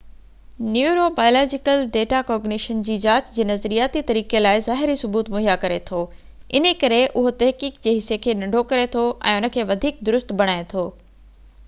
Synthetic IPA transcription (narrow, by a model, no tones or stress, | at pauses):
njuːɾobaːjolaːd͡ʑɪkəlɖeːʈakɔːɾɡnɪʃənd͡ʑiːd͡ʑaːt͡ɕd͡ʑeːnɐzɾijaːt̪it̪ɐɾiːkelaːɪzaːɦɪɾisʊbuːt̪mʊɦjakɐɾet̪ʰoː | ɪn̤ə̆kɐɾeʔʊɦot̪ɐɦkiːkd͡ʑeːɦɪsːekʰeːnɐ̃ɳɖʱokɐɾet̪ʰoʔɛ̰̃ːʊnə̆kʰeːʋɐd̪ʱiːk̚d̪ʊɾʊst̪bʱɐɽ̃aːet̪ʰoː